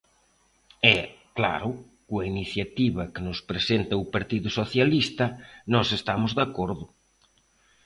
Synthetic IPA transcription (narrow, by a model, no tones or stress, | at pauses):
ɛkla̰ɾʊ | kuainiθjat̪iβɐkenʊspɾesent̪ɐʊpaɾt̪iðʊsoθjalist̪ɐnɔsest̪amʊzðakoɾðʊ